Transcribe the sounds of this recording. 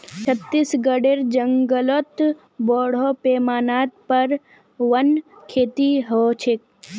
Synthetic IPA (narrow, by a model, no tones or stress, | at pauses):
t͡ʃʰət̪ːisɡəɖeɾd͡ʒə̃ŋɡəlot̪ | bɔːɽ̤opeːmaːnaːt̪̚pɐɾ | ʋɐnkʰeːt̪iɦot͡ʃʰɪk̚